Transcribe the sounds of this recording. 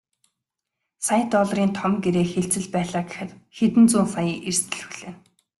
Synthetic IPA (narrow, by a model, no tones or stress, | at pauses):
sajt̪ɔɮriːnt̪ʰɔmɡeɾeːxeɬt͡sɘ̆ɮpæːɮaːɡɪxɘ̆t̪xet̪ɘ̆nt͡suːnsajiːʔerst̪ʰɘ̆ɮxu̥ɮ̥eːn